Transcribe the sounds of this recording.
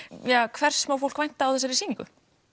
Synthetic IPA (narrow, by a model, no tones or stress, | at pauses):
jakʰvɛr̥ssmawfowl̥kvajn̥t̪aːwθɛs̬ːaɾisiːŋkʏ̰